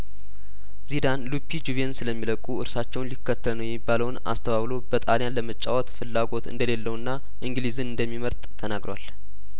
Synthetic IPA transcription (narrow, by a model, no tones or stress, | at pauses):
zid̪anlupʰːid͡ʒuβensɨləmːiləkʼuɨɾsat͡ʃːɛwnlikːət̪ʰːəlnəwjɛmːibːaləwna̰st̪ʰəβaβlo̞bət̪ʼaljanləmət͡ʃʼːawɔt̪fɨlːaɡo̞t̪ɨ̰nd̪əle̞lːəwnːa | ʔɨŋɡlizɨnɨnd̪əmːiməɾt̪ʼt̪ʰənaɡɾowa̰l